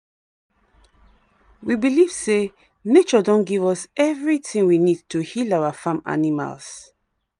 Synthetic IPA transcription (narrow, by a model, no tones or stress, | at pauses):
wibiliv̥se | net͡ʃɔdɔ̃nɡivɔsɛvɹitĩŋwinid̚tuhilawafãma̰nima̰ls